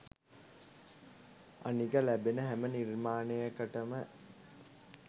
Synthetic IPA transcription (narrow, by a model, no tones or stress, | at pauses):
a̰niɡəlæbenəɦæmənirmaːnejəkəʈəmə